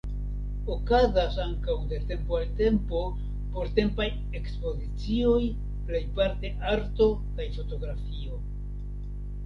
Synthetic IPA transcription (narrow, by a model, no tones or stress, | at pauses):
o̞kazasaŋkawde̞ɾte̞mpoalte̞mpo̞ | po̞ɾte̞mpaj | e̞kspo̞zit͡sio̞j | ple̞jpaɾte̞ʔaɾto̞ | kajfo̞to̞ɡɾafio̞